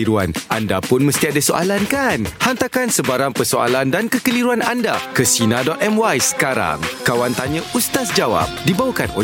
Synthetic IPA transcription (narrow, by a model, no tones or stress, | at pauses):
iɾua̰nʔa̰ndapʊnmə̃st̪iadasoʔa̰lankanhant̪akansəbaɾaŋpərsoa̰landankəkəliɾuananda̰kəsinadɔt̪̚ɛmwajsə̥kaɾa̰ŋkawant̪aɲə̃ust̪asd͡ʒawa̰p̚dibawakano